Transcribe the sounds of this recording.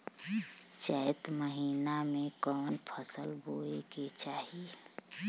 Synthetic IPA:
t͡ʃəjt̪məɦiːnamẽkɔːnpʰəsəlboeket͡ʃaːɦi

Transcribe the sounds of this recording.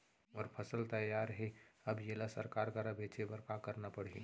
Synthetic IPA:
ɔːɾpʰɐsəlt̪ɐjːaːɾɦɛɐbjelasə̰ɾkaːɾkɐɾabʱeːt͡ʃʰebɐɾkakɐɾnapɐɽ̤ḛ

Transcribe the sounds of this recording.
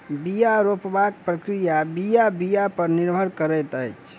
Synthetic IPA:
bijaɾopbak̚pɾəkɾijabijabijapəɾniɾbʱəɾkəɾɛt̪əjt͡ʃʰ

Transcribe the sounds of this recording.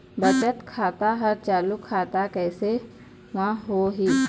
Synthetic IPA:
bɐt͡ʃət̪kʰaːt̪aɦɐɾt͡ʃaːlukʰːaːt̪akɛːse | ʋãɦoɦiː

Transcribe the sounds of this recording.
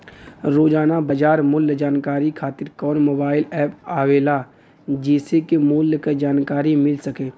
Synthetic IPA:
ɾoːd͡ʒaːnabɐd͡ʒaːɾmʊlːd͡ʒaːnkaːɾikʰaːt̪ɪɾkɔːnmoːbaːɪlɛːpaːʋeːla | d͡ʒeːsekemʊlkad͡ʒaːnkaːɾimɪlsɐkeː

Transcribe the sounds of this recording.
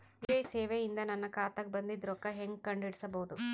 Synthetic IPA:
ʋd͡ʒɐjseːʋeind̪ɐnɐnːɐkaːt̪ɐk̚bɐnd̪id̪ɾɔkːɐɦeŋɡkɐɳɖiɽisɐbɐɦud̪u

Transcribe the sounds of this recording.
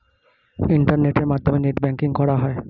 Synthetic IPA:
iɳʈaɾneʈeɾmad̪ʱomeneʈbɛŋkiŋkɔɾaɦɔe

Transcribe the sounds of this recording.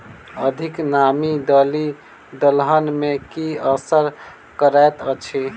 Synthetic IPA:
əd̪ʱiknamid̪əli | d̪əlɦənmekiəsəɾ | kəɾaet̪ət͡ʃʰi

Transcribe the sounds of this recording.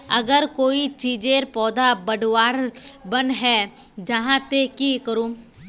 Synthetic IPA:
ɐɡəɾkoːit͡ʃiːd͡ʒeɾpɔːd̪abɐɖwaːɾbɐnɦɛ | d͡ʒɐɦãt̪ekikəɾũː

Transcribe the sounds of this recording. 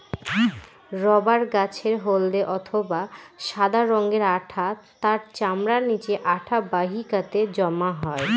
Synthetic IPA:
ɾɔbaɾɡat͡ɕʰeɾɦold̪eʔɔt̪ʰobaʃad̪aɾɔŋɡeɾaʈʰat̪aɾt͡ɕamɾaɾnit͡ɕeʔaʈʰabaɦikat̪ed͡ʑɔmaɦɔe

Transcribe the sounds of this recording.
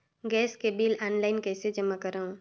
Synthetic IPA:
ɡɛːskebiːlɔːnlaːɪnkɛːsed͡ʒɐmakɐɾaɦũː

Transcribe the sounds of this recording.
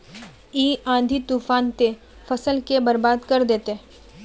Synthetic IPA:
iːãːd̪ʱit̪uːfaːnt̪e | fɐsəlkebɐɾbaːd̪kɐɾd̪eːt̪e

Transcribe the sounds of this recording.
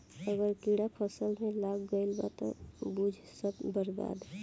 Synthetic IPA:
əɡəɾkiɽapʰəsəlmẽlaɡɡəɪlba̰t̪ɔ̰bud͡ʒʱsəbbəɾba̰d̪

